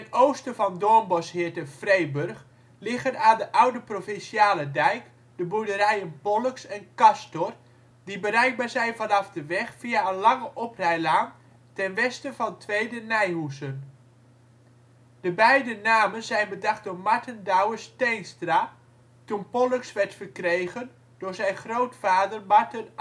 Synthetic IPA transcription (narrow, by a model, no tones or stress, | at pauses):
tɛnowstəvɑndɔɹmbɔshɪːɹtəfrejbørχ | lɪχənaːdəʔawdəprofɪnsiaːlədɛjk | d̥əbudərɛjənpɔləksɛnkɑstɔr | dibərɛjɡ̚baːɹzɛjnvɑnɑfdəʋɛχfijaənlɑŋəʔɔprɛjlaːn | tɛnʋɛstəvɑntʰʋejdənɛjɦusən | d̥əbɛjdənaːmənzɛjnbədɑχt̚dʊːɹmaɹtəndawəstejnstra | tunpɔləksʋɛɹtfərkrejɣən | d̥ʊːɹzɛjnχrowtfaːdərmɑɹtən